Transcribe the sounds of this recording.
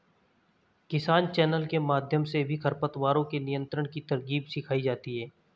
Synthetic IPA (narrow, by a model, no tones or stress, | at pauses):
kɪsaːnt͡ʃɛːnəlkemaːd̪ʱjəmsebʱikʰɐɾpət̪waːɾõkenɪjə̃nt̪ɾəɽ̃kit̪ɐɾɡiːbsɪkʰaːid͡ʒaːt̪iɦɛː